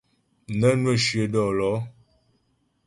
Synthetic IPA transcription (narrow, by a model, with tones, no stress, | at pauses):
nə˦nwə˦˨ʃɥə˨dɔ˦˨lɔ˨˦